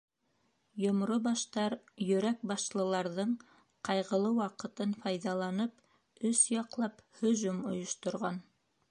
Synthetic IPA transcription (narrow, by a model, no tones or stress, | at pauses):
jŏmɾobɑʃt̪ɑɾ | jɵ̆ɾæk̚bɑʃlˠɤ̆lˠɑɾðɤɴ | qɑjʁɤ̆lˠɤwɑqɤ̆t̪ɤnfɑjðɑlˠɑnɤp | ɵsjɑqlˠɑphɵ̆ʒumŏ̰jŏʃt̪ŏɾʁɑn